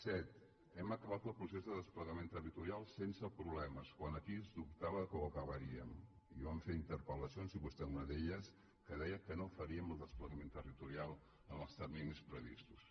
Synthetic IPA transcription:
sɛt̪ | ɛməkəβat̪əlˠpɾusezðəðəspləɣəmẽnt̪ərit̪uɾialˠsensəpɾuβlɛməskwanəkiəzðup̚t̪aβəkoəkəβəɾiəm | iβaɱfeɾint̪əɾpələsionziβust̪ɛunəðeʎəs | kəðɛjəkənofəɾiəməlˠd̪əspləɣəment̪ərit̪uɾialˠ | ənəlˠst̪ərminispɾəβist̪us

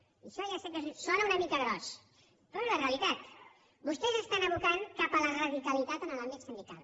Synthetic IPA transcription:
iʃɔjasepkəzsɔnəunəmikəɣɾɔs | pɾɔeðəreəlit̪at̪ | bust̪ɛzəst̪anəβukaŋkapələrəðikəlit̪at̪ənəlambit̪sind̪ika̰lˠ

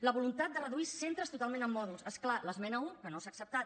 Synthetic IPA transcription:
ləβulunt̪at̪̚d̪ərəðuisent̪ɾəst̪ut̪alˠmẽnəmːɔðulˠsesklaləzmɛnəuŋkənosaːksəp̚t̪at̪̚

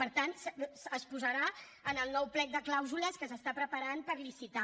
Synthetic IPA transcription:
pəɾt̪ant̪ssəspuzəɾa | ənəlˠnɔwplɛk̪̚d̪əklawzuləskəs̬əst̪apɾəpəɾanpəɾlisit̪a

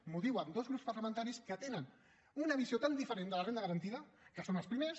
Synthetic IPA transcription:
muðiwəmd̪ozɣɾupspəɾləmənt̪aɾiskət̪enən | unəβ̞iziot̪and̪ifəɾend̪ələrend̪əɣəɾɐənt̪iðəkəsonɐlˠspɾimes

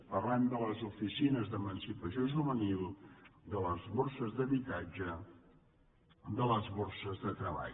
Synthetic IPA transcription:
pərlɛmd̪ələzufisinəzðəmənsipəsioʒuβənilˠd̪ələzβorsəzðəβit̪ad͡ʒə | d̪ələzβursəzðət̪ɾəβa̰

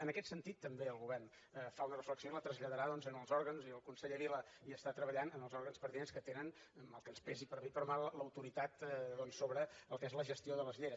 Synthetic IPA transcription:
ənəkɛt̪sənt̪it̪ːəmbeəlˠɣuβɛrn | əfaunərəfləksionlət̪ɾəzʎəðəɾaðɔnzənəlˠzɔɾɣənziəlˠkunseʎəβiləiəst̪at̪ɾəβəʎanənəlˠzɔɾɣənspəɾt̪inenskət̪enən | məlˠkənspɛzipəɾβipəɾmaləwt̪uɾit̪at̪ðɔnsːoβɾəəlˠkezləʒəst̪ioðələzʎejɾ

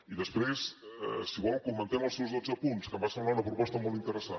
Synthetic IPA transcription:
iðəspɾesɛsiɣwawwkumɐ̃nt̪emɐsewzðot̪zɐpũnt̪skɐbasɐ̃nnaunɐpɾʊpɔst̪ɐmolˠt̪int̪əɾəsa

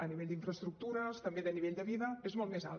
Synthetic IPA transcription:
əniβeʎd̪iɱfɾəst̪ɾuk̚t̪uɾəst̪əmbeðəniβeʎd̪əβiðəezmɔlˠt̪meza̰lˠ

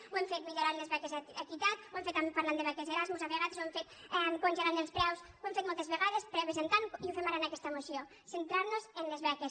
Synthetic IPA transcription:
wɛmfet̪miʎoɾaɾnezβɛkesaak̪it̪at̪owɛmfejt̪ampaɾland̪eβɛkeseɾazmosafɾeɣat̪swɛmfet̪ɛkonʒeɾanelspɾɛwsoemfejt̪molt̪ezβeɣaðespɾɛβes̬ent̪ankiofemaɾanakɛst̪aemosjo | sent̪ɾaɾnosenlezβɛkes

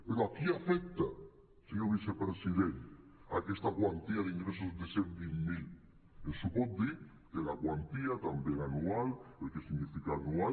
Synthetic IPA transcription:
peɾoakiafek̚t̪a | seɲoβisepɾesiðent̪a̰kest̪akwant̪iaðiŋɡɾesozðeseɾðimmil | esupɔt̪̚d̪iɾ | kelakwant̪iat̪ambjeŋanualelkesiɣnifikaːnual

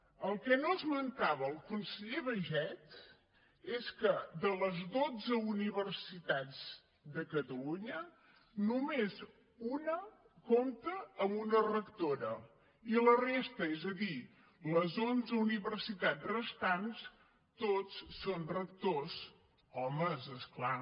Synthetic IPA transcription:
əlˠkɛnoəzmənt̪aβəːlˠkunsəʎeβəʒɛt̪ | eskəðələzðod͡zəuniβəɾsit̪ad͡z | d̪əkət̪əluɲə | numez | unə | komt̪əːmunərəkt̪oɾə | ilərest̪əezəði | ləzonzəuniβərsit̪ad͡zrəst̪ans | t̪ot͡sːonrək̚t̪osz | ɔməzəskla

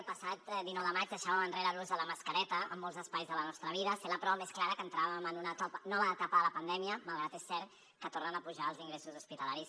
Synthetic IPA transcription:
lˠpəsat̪d̪inɔwðəmad͡ʒðəʃaβəmənreɾəluzðələməskəɾɛt̪əə̰mːɔlˠzəspajzðələnɔst̪ɾəβ̞iðəseləpɾɔβəmesklaɾəkənt̪ɾaβəmənunət̪ɔpnɔβəːt̪apəðələpənd̪ɛmiəməlˠɣɾat̪esːɛɾt̪ | kət̪ornənəpuʒaəlˠziŋɡɾesuzuspit̪əlaɾis

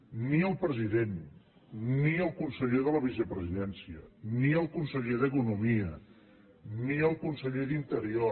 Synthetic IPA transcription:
niəlˠpɾəziðen | niəlˠkunsəʎeðələβisəpɾəziðɛnsiəniəlˠkunsəʎeðəkunumiə | niəlˠkunsəʎeðint̪əɾio

